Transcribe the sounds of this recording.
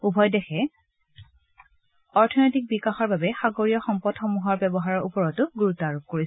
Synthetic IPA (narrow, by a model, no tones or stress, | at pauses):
ubʱɔjdɛxɛ | ɔɹtʰɔnɔjtik̚bikaxɔɹbabɛxaɡoɹijɔxɔmpɔdxɔmuɦɔɹbɛbɔɦaɹɔɹupɔɹɔtʊɡuɹutɔaɹup̚koɹis